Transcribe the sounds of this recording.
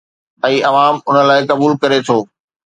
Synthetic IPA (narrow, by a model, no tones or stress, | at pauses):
ɛ̃ːɐʋaːmʊnə̆laːɪkɐbuːlkɐɾet̪ʰoː